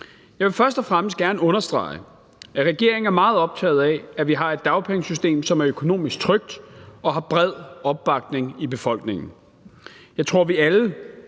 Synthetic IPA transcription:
jɑ̈ɪʋe̝fɶɐsd̥ɒfʁaməsd̥ɡ̥æɐnəɔ̽nɐsd̥ʁɑ̰̈ɪ | ʔæʁɛɡ̥e̝̰ɐ̰eŋ̩æɐmɑ̈ːð̞̩ˠɒ̽b̥̚t͡sʰɛ̰ːð̞̩ˠɛæʋiɦɑ̈e̝d̥̚ːɑ̈ʊpʰeŋsysd̥e̝̰ːmsɒ̽mæɐøkʰo̝no̝̰ːmisɡ̥t͡sʰʁœɡ̥̚d̥ɒ̽ɦɑ̈b̥ʁɛð̞̰ˠɒ̽b̥ːɑ̈ɡ̥̚d̥ne̝ŋib̥e̝fɒ̽l̰ɡ̥ne̝ŋn̩ | jɑɪt͡sʰʁo̝ɐ̰ʋiælə

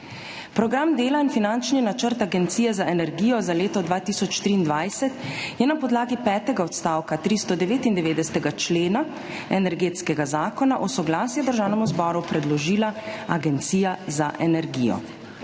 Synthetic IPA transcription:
pɾɔɡɾamd̪eːlainfinant͡ʃninat͡ʃəɾt̪aɡɛnt̪siːjɛzaʔɛnɛɾɡiːjɔzaleːt̪ɔd̪ʋaːt̪iːsɔt͡ʃt̪ɾiːnd̪ʋajsɛt̪jɛnapɔd̪laːɡipɛːt̪ɛɡaɔt̪st̪aːwkat̪ɾist̪ɔd̪ɛʋeːt̪ind̪ɛʋeːd̪ɛst̪ɛɡat͡ʃleːna | ɛnɛɾɡeːt̪skɛɡazaːkɔnaʔɔsɔɡlaːsjɛd̪əɾʒaːwnɛmuzbɔɾupɾɛd̪lɔʒiːlaaɡɛnt̪siːjazaʔɛnɛɾɡiːjɔ̰

